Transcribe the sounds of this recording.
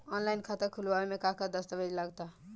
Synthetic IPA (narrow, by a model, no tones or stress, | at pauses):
ɔnlajnkʰat̪əkʰuluaemekãkad̪ʌst̪əbed͡ʒlaɡt̪a